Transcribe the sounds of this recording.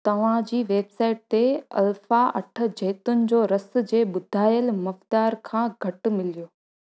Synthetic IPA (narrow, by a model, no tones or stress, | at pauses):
t̪ɐʋ̤ãd͡ʑiːʋeːbsaːɪʈ̚t̪eɐ̰lfaʔɐ̰ʈʰə̆d͡ʑɐːt̪ʊnɪ̆d͡ʑoːɾɐs̆d͡ʑeːɓʊd̪ʱaːjəlmɐft̪aːɾkʰãːɡʱɐʈ̆mɪlijoː